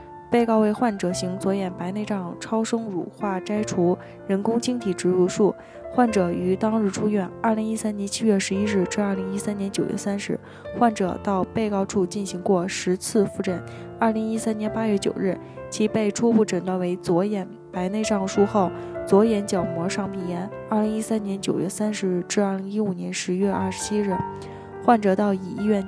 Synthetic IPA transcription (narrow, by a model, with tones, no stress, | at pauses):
pe˥˧ɪkɑ˥˧ʊwe˥˧ɪxwa˥˩nʈ͡ʂɤ˨˩ɕi˧˥ŋt͡swɔ˧˥jɛ˨˩npa˧˥ɪne˥˧ɪʈ͡ʂɑ˥˩ŋʈ͡ʂʰɑ˥ʊʂɤ˥ŋɻṵ˨˩xwa˥˩ʈ͡ʂa˥ɪʈ͡ʂʰu˧˥ | ɻə˧˥nkʊ˥ŋt͡ɕʰi˥ŋt̪ʰi˨˩ʈ͡ʂɻ̩˧˥ɻu˧˥˧ʂu˥˩ | xwa˥˩nʈ͡ʂɤ˨˩y˧˥t̪ɑ˥ŋɻ̩˥˩ʈ͡ʂʰu˥ɥɛ˥˩nɐ˞˥˩li˧˥ŋi˥sa˥njɛ˧˥nt͡ɕʰi˥ɥɛ˥˩ʂɻ̩˧˥i˥ɻɻ̩˥˩ʈ͡ʂɻ̩˥ɐ˥˩li˧˥ŋi˥sa˥njɛ˧˥nt͡ɕjo˨˩ʊɥɛ̰˥˩sa˥nʂɻ̩˧˥ | xwa˥˩nʈ͡ʂɤ̰˨˩t̪ɑ˥˧ʊpe˥˧ɪkɑ˥˧ʊʈ͡ʂʰu˥˧t͡ɕi˥˩nɕi˧˥ŋkwɔ˥˩ʂɻ̩˧˥t͡sʰɹ̩˥˧fu˥˧ʈ͡ʂə˥˩na˥˩li˧˥ŋi˥sa˥njɛ˧˥npa˥ɥɛ˥˩t͡ɕjo̰˨˩ʊɻɻ̩˥˩ | t͡ɕʰi˧˥pe˥˩ɪʈ͡ʂʰu˥pu˥˩ʈ͡ʂə˨˩nt̪wa˥˩nwe˧˥ɪt͡swɔ˧˥jɛ˨˩n | pa˧˥ɪne˥˧ɪʂɑ˥˩ŋʂu˥xo˥˩ʊt͡swɔ˧˥jɛ˧˥nt͡ɕjɑ˨˩ʊmwɔ˧˥ʂɑ˥˩ŋpʰi˨˩jɛ˧˥n | ə˞˥˩li˧˥ŋi˥sa˥njɛ˧˥nt͡ɕjo˨˩ʊɥɛ̰˥˧sa˥nʂɻ̩˧˥ɻ̩˥˩˧ʈ͡ʂɻ̩˥˧ɐ˥˩li˧˥ŋi˥u˨˩njɛ˧˥nʂɻ̩˧˥ɥɛ˥˧ʔa̰˥˩ʂɻ̥t͡ɕʰi˥ɻɻ̩˥˩ | xwa˥˩nʈ͡ʂɤ˨˩t̪ɑ˥˩ʊi˨˩i˥˧ɥɛ˥˩n